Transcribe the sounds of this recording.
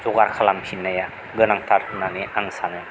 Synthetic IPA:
z̥uɡaɾkʰalampʰinːaja | ɡɯnaŋt̪ʰaɾhɯnaniʔaŋsanɯ

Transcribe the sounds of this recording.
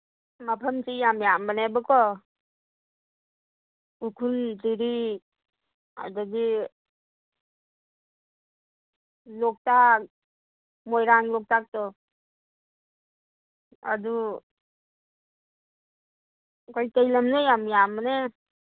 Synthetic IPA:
mapʰamsijamjamənebɯkɔ | ukʰunziɾi | a̰daɡi | lɔk̚tak̚ | mɔjɾaŋlɔk̚tak̚tɔ | a̰du | kɔjtajlamnejamjaməne

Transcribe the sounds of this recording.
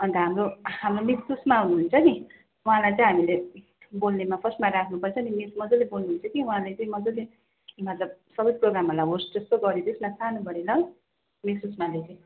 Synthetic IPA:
ʌnt̪ʌɦamroɦamromissusmaːwnuɦunt͡sʰʌki | uɦãlajt͡sʌj̃ɦamile | bolnemapʰʌsmaɾakʰnupʌt͡sʰʌnimismʌd͡zolebolnuɦunt͡sʰʌkiwɦãlajt͡sʌĩmʌd͡zole | mʌt̪lʌb̚sʌbʌjproɡɾamʌlajɦosd͡zʌst̪oɡʌɾid̪esmat͡sʰanubʌɾilʌl | miusmalet͡sʌ̃

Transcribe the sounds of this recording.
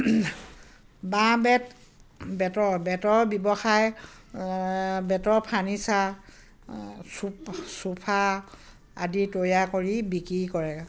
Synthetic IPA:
bãbɛt | bɛtɔbɛtɔɹbɔbɔxaj | bɛtɔɹpʰanisa | supsupʰa | a̰ditojakoɹibikɹikɔɹɛa

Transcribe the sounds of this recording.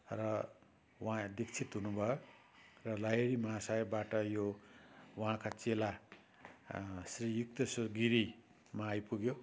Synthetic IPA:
rʌ | wʌɦãd̪ikt͡sʰit̪ɦunubʱʌjo | rʌlajeɾimasajbaʈʌjo | wʌ̃ɦãkat͡sela | srijukt̪ʌsɡiɾi | maːjpuɡjo

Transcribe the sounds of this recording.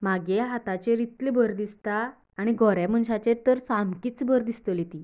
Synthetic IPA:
maɡeɦat̪at͡ɕeɾit̪libəɾd̪ist̪aː | ɽ̃iɡʱɔɾɛm̤əɳɕat͡ɕeɾt̪əɾsamkiːt͡sbəɾd̪ist̪əljet̪iː

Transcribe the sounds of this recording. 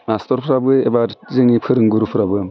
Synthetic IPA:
mastɔɾpʰɾabɯebaɾzɯŋipʰɯɾɯŋɡuɾupʰɯɾabɯ

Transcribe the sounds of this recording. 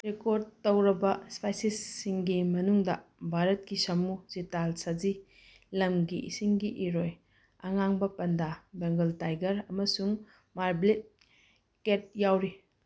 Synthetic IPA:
ɾekoɾd̚tːɐwɾɐbɐspajsisːiŋɡimɐnuŋdɐbʱaɾɐt̚kisɐmuzitalsɐzi | lɐmɡiʔḭsiŋɡiʔiɾoj | ɐŋaŋbɐpɐndabeŋɡɐltajɡɐɾɐmɐsuŋ | maɾblit̚ | ket̚jawɾi

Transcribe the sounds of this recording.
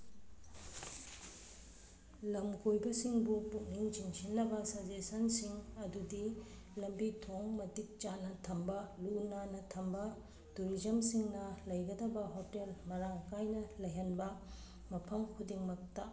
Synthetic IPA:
lɐmkʰojbɐsiŋbupuk̚niŋt͡ʃiŋsinːɐbɐsad͡ʒesɐnsiŋɐdudi | lɐmbitʰoŋmɐdik̚t͡ʃanɐtʰɐmbɐlunanɐtʰɐmbɐ | tuɾizɐmsiŋnɐlɐjɡɐdɐbɐɦotelmɐɾaŋkajnɐlɐjɦɐnbɐ | mɐpʰɐmkʰudiŋmɐk̚tɐ

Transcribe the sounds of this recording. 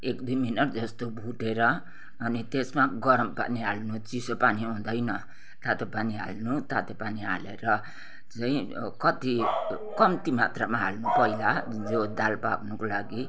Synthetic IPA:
ekd̪ujminʌʈd͡zʌst̪obʱuʈeɾʌː | nit̪esmaɡʌɾʌmpa̰niɦalnut͡sisopaniɦũd̪ʌjnʌ | t̪at̪opaniɦa̰lnut̪at̪epaniɦa̰leɾʌ | t͡sʌĩ | kʌt̪i | kʌmt̪imat̪ramaɦa̰lnupʌilad͡zod̪alpaknukolaɡi

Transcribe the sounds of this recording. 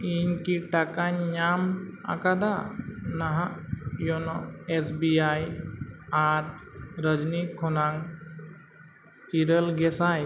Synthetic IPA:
iɲkiʈakaɲɲama̰kad̪anaɦajɔnɔesbiaj | aɾɾəd͡ʒnikʰɔnaŋ | iɾəlɡɛsaj

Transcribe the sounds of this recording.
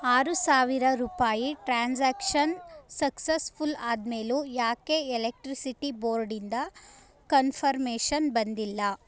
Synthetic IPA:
aːɾusaːʋiɾɐɾuːpaːjiʈɾaːnsaːkʂɐnsɐksespulaːd̪meːlujaːkeɛlek̚ʈɾisiʈiboːɾɖind̪ɐ | kɐnfʰɐɾmeːʃɐnbɐnd̪ilːɐ

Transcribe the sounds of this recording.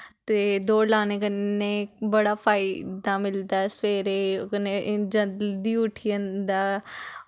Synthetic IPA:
t̪ed̪oːlaːnekɐnebɐɽafaːid̪ãmɪld̪asʋeːɾekɐned͡ʑɐd̪iʊʈʰiə̃nd̪aː

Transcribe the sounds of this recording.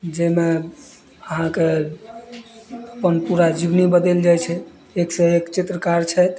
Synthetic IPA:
d͡ʒeme | əɦãke | əpənpuɾad͡ʒibnibəd̪eld͡ʒajt͡ʃʰɛ | eksẽekt͡ʃit̪ɾəkaɾt͡ʃʰɛt̪

